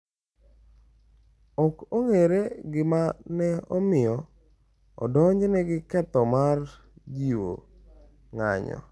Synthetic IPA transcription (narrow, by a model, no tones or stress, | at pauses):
ɔkoŋeɾeɡɪmanɛɔmɪjɔ | ɔ̰dɔɲd͡ʒnɛɡɪkɛt̪ɔmar | d͡ʒiwo̰ | ŋa̰ɲɔ̰